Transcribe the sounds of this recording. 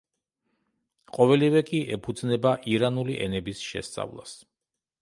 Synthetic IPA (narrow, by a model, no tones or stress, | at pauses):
qʼɔvɛlivɛkʼiʔɛpʰud̪znɛbaʔiɾanuliʔɛ̰nɛbisʃɛ̰st̪sʼa̰vlˠa̰s